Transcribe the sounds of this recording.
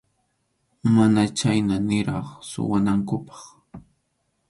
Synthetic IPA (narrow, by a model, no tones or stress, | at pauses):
manat͡ʃajnanɪɾɑχsʊ̰wanaŋkʊpɑ̥χ